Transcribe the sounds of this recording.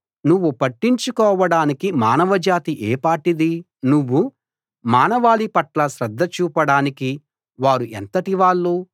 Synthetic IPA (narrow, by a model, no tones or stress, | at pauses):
nuʋːupɐʈːiɲt͡ʃukɔːʋɐɽaːnikimaːnɐʋɐd͡ʒaːt̪iʔeːpaːʈid̪i | nuʋːu | maːnɐʋaːlipɐʈlɐʃɾɐd̪ʱːɐt͡ʃuːpɐɽaːniki | ʋaːɾuʔḛnt̪ɐʈiʋaːɭːuː